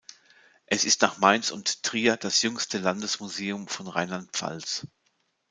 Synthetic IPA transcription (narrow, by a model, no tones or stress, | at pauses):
ʔɛsɪstnaːχmaɪnsʊnttʁ̥iːɐd̥asjʏŋstʰəlandəsmuzeːʊmfɔnʁaɪnlant̚pfa̰ls